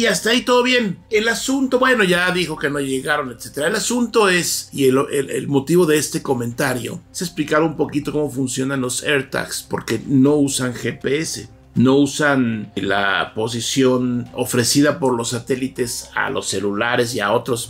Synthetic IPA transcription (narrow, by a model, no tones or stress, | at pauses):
iast̪ait̪o̞ðo̞βje̞ne̞lasunt̪o̞bwe̞no̞ʝaðixo̞ke̞no̞ʝe̞ɣaɾo̞net̪se̞t̪e̞ɾaelasunt̪o̞e̞sielḛḛlmo̞t̪iβo̞ðe̞est̪e̞ko̞mẽ̞nt̪aɾjo̞̰sesplikaɾoumpo̞kit̪o̞ko̞mo̞funsjo̞nanlo̞seɾt̪a̰kspoɾke̞no̞usaŋxe̞pe̞ese̞ | no̞usanla̰po̞s̬isjo̞no̞̰fɾe̞siðapo̞ɾlo̞sːat̪e̞lit̪e̞sa̰lo̞̰sːe̞lulaɾe̞s̬ia̰o̞t̪ɾo̞s